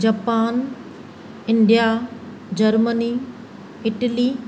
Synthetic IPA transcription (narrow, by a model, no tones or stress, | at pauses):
d͡ʑapaːn | ɪɳɖija | d͡ʑɐɾməni | ɪʈəli